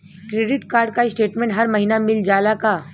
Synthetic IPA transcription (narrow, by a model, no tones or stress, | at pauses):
kɾeːɖɪʈkaːɾɖ̚kaɪsʈeːʈmẽːɳʈɦɐɾmɐɦiːnamɪld͡ʒaːlakaː